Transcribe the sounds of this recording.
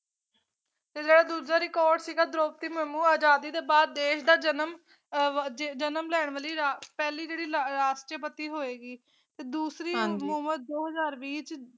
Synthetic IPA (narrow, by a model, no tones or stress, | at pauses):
t̪eːd͡ʒeːɽaːd̪uːd͡ʒaːɾikɔːɾɖsiːɡaːd̪ɾoːp̚t̪iːmɛːmũːaːd͡ʒaːd̪iːd̪eːbaːd̪̚ːeːʃd̪aːd͡ʒənəm | d͡ʒd͡ʒənəmlɛːɳ̃ʋəliːɾapɛːliːd͡ʒeːɽiːlɾaːsʈjəp̬ət̪iːɦoːeːɡiː | t̪eːd̪uːsɾiːuːmət̪̚d̪oːɦəzaːɾʋiːt͡ʃ